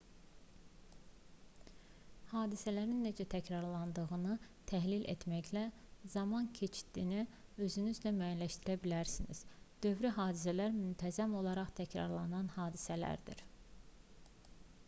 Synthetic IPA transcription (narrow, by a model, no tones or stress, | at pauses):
hɑːd̪isælæɾinːe̞d͡ʒæt̪ʰæcʰɾɑɾlˠɑnd̪ɯɣɯnɯt̪ʰæɦlilʔḛt̪mæçlæzɑmɑncʰe̞t͡ʃd̪̥iːniø̞zynyzlæmæjænlæʃt̪iɾæbilæɾsinḭz̥d̪̥ø̞vɾiɦɑːd̪isælæɾmynt̪ʰæzæmo̞lˠɑɾɑχt̪ʰæcʰɾɑ̰ɾlˠɑnɑnhɑːd̪isælæ̰ɾd̪ḭɾ